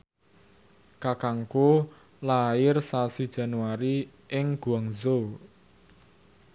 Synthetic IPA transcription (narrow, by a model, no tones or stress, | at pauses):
kakaŋko | laɪrsasid̥ʒ̥a̤nuwaɾi | ɪŋɡ̥uaŋzo